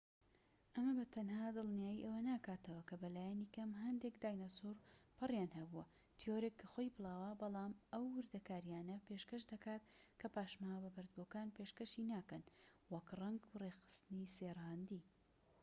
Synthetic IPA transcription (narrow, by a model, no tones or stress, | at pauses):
ʔɐmɐbɐt̪ʰɐnhaːd̪ɨlˠnjaːjiʔewɐnaːkaːt̪ɐwɐkɐbɐlaːjanikɐmɦɐnd̪ekd̪aːjnɐsuɾpʰɨrjaːnhɐbuwɐ | t̪ʰioɾekːxojpɨlˠɑːwɐbɑlˠaːmʔɐwːɨɾd̪ɐkaːɾjaːnɐpeʃkɐʃd̪ɐkaːt̪kʰɐpaːʃmaːbɐbɐɾd̪bokaːnpeʃkɐʃinaːkɐnwɐkrɐŋɡrexɨ̥st̪ɨniseːrhand̪i